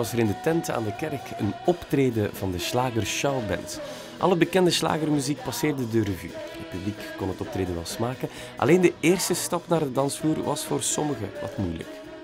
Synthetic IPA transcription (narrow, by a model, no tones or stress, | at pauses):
ɑsəɾɪndətɛnta̰ːndəkɛrkə̰nɔptreːdəvɑndəslaːɣərʃawbɛ̰nt | ʔɑ̰lˠəbəkɛndəsla̰ːɣərmyzik̚pɑsɪːrdədøːrəvy̰ːrətpyblikkɔnɦətɔp̚tɾeːdəʋɛlˠsmaːkə | ʔɑ̰leːndəeːrstəstɑpnaːrədɑnsfuːrʋɑsfoːrsɔməɣəʋɑ̰tmujlə̰k